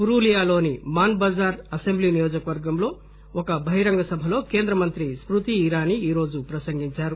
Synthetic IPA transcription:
uɾuːlijaːlo̞ːnimaːnbɐd͡ʒaːɾɐsembliːnijoːd͡ʒɐkɐʋɐɾɡɐmlo̞ː | ɔkɐbʱɐɦjɾɐŋɡɐsɐbʱɐlo̞ːke̞ːnd̪ɾɐmɐnt̪ɾispɾut̪iːɾaːniiːɾo̞ːd͡ʒupɾɐsɐŋɡiɲt͡ʃaːɾu

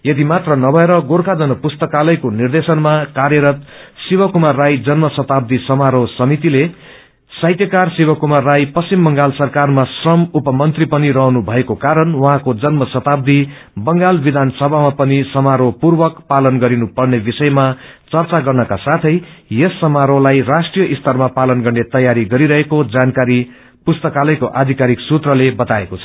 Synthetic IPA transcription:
jʌd̪imat̪rʌnʌbʱʌeɾʌɡorkʰad͡zʌnʌpust̪ʌkalʌjkonird̪esʌnmakarjʌɾʌt̪sibʌkumarːajd͡zʌnmʌsʌt̪ab̚d̪isʌmaɾosʌmit̪ile | sajt̪jʌkarsibʌkumarːajpʌst͡ʃimbʌŋɡalsʌrkarmasrʌmupʌmʌnt̪ripʌniɾʌɦnubʱʌekokaɾʌnwʌɦãkod͡zʌnmʌsʌt̪ab̚d̪i | bʌŋɡalbid̪ʱansʌbʱamapʌnisʌmaɾopurbʌkpalʌnɡʌɾinupʌrnebisʌjmat͡sʌrt͡saɡʌrnʌkasat̪ʰʌjjʌsːʌmaɾolajrasʈrijʌʔist̪ʰʌrmapalʌnɡʌrnet̪ʌjaɾiɡʌɾiɾʌɦekod͡zankaɾi | pust̪ʌkalʌjkoʔad̪ʱikaɾiksut̪rʌlebʌt̪aekot͡sʰʌ̥

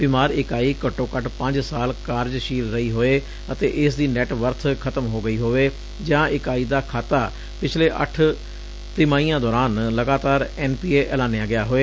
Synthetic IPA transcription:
bɪmaːɾɪkaːiːkəʈːõːkəʈpə̃ɲd͡ʒsaːlkaːɾd͡ʒʃiːlɾəiːɦoːeː | ət̪eːʔɪsd̪iːnɛʈʋəɾt̪ʰkʰət̪əmɦoːɡəiːɦoːeː | d͡ʒãːʔɪkaːiːd̪aːkʰaːt̪aː | pɪt͡ʃʰleːʔə̰ʈʰ | t̪ɪmaːiːãːd̪ɔːɾaːnləɡaːt̪aːɾɛːnpiːeːʔɛːlaːnejaːɡɪjaːɦoːeː

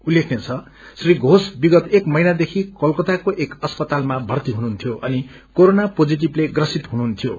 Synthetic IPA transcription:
ulekʰnet͡sʰʌ | sriɡʱosbiɡʌt̪ekmʌjnad̪ekʰikʌlkʌt̪akoʔekʌspʌt̪almabʱʌrt̪iɦunuːnt̪ʰjoʔʌni | koɾonapod͡ziʈ̬ibleɡrʌsit̪ɦunuːnt̪ʰijo

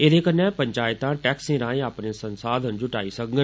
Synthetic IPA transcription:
eɾekənãpɐ̃ɲt͡ɕaːɪt̪ãʈɛːksĩɾãːẽaːpnesɐ̃nsaːd̪ʱənd͡ʑʱʊʈaːisɐɡʱŋɡən

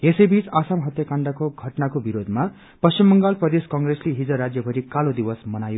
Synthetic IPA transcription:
esʌjbit͡sasamɦʌt̪jakaɳɖʌkoɡʱʌʈnakobiɾod̪ʱma | pʌst͡ʃimːʌŋɡalprʌd̪eskaŋɡresliɦid͡zʌɾad͡zjʌbʱʌɾikalod̪ibʌsmʌnajo

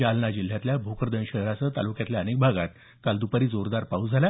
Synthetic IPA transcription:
alnad͡ʑil̤ːjat̪ljabʱokəɾd̪ənɕəɦɾat͡sət̪a̰lukjat̪ljaənek̚bʱaɡat̪ | kald̪upəɾiːd͡zoɾd̪aɾpaud͡zʱala

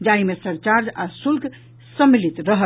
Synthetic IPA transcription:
d͡ʒaimesəɾt͡ʃaɾd͡ʒa̰sulk | səmːilit̪ɾəɦə

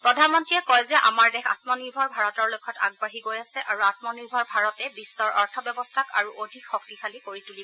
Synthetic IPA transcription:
pɹɔdʱanmɔntɹijɛkɔjzɛʔa̰maɹdɛxʰa̰tmɔniɹbʱɔɹbʱaɹɔtɔɹlojkʰːɔta̰ɡ̚baɦiɡojasɛʔaɹuat̚mɔniɹbʱɔɹbʱaɹɔtɛbisːɔɹʔɔɹtʰɔbjɛɔbɔstʰaka̰ɹuʔodʱikxɔk̚tixʰalikoɹitulibɔ

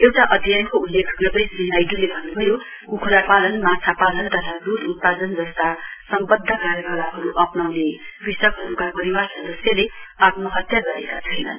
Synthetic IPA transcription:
ewʈaʔʌd̪ʱijankoulːekʰɡʌrd̪ʌjsinajdulebʱʌnːubʱʌjo | kukʰuɾapalʌnmat͡sʰapalʌnt̪ʌt̪ʰad̪ut̪ut̪̚pad͡zʌnd͡zʌst̪asʌmbʌd̪ʱːʌkaɾjʌɡʌlaɦʌɾuʔʌpnawnerisʌkɦʌɾukapʌɾiwarsʌd̪ʌsjaleʌt̪mʌɦʌt̪jaɡʌɾḛkat͡sʰʌjnʌ̰n

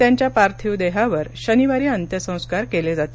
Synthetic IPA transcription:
t̪jaɲt͡ɕjapaɾt̪ʰiwd̪eɦaʋəɾɕəniʋaɾiːənt̪jəsə̃w̃skaɾkeled͡zat̪e

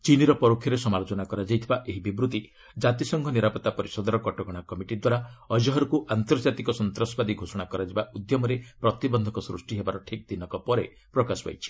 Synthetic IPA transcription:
t͡ʃiniɾɔpɔɾokʰːjɔɾesɔmalot͡ʃɔnakɔɾad͡ʒajt̪ʰibaʔeɦibibɾut̪i | d͡ʒat̪isɔŋkʰɔniɾapɔt̪ːapɔɾisɔd̪ɔɾɔkɔʈɔɡɔɽ̃akɔmiʈid̪waɾaɔd͡ʒɔɦɔɾkuʔant̪ɔɾd͡ʒat̪ikɔsɔnt̪ɾɔsɔbad̪iɡʱosɔɽ̃akɔɾad͡ʒebaʔud̪jɔmɔɾepɾɔt̪ibɔnd̪ʱɔkɔsɾusʈiɦebaɾɔʈʰik̚d̪inɔkɔpɔɾe | pɾɔkasɔba̰jt͡ʃʰi̥

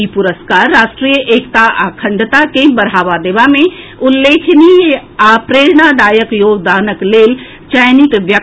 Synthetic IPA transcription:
ipʊɾəskaːɾːaːʃʈɾiːjəʔeːkt̪aʔaːkʰə̃ɳɖt̪akebəɾaːʋad̪eːʋamẽ | ʊlːeːkʰniɦeaːpɾeːɾɳ̃ad̪aːjəkjoːɡd̪aːnəkleːl | t͡ʃəjnikʋjə

